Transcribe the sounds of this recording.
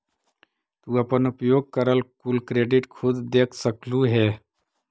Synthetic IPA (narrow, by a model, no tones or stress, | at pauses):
t̪uːɐpənupjoːɡ̚kəɾəlkulkɾeːɖɪʈkʰʊd̪d̪eːkʰsəkluɦɛː